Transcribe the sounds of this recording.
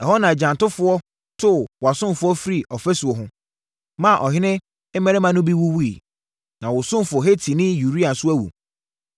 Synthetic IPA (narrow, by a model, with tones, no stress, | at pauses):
ɛ˨ɦɔ˦nã˨d͡ʑã˨ntʊ˦fʊ˨˦ɔ˦ | tʰʊ˦wɔ˨a˨sʊ̃˦mfʊ˦ɔ˦fi˦ɾi˨ʔɔ˨fɛ˦su˨ɔ˨ɦʊ̃˦ | mã˦˨ʔɔ˨ɦɪ˦nɪ̃˦ | mɛ˦ɾɛ˦mã˦nʊ̃˦bi˦wu˦wu˦i˨ | nã˨wʊ˨sʊ̃˦m˨fʊ˨ɔ˨ɦe˦tʰi˨nɪ̃˦ju˨ɾi˦a˨sʊ˦æ˦wṵ˨